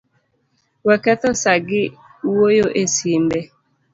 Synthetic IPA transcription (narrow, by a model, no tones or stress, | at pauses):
wɛkɛt̪ɔsaɡɪ | wojoʔesimbɛ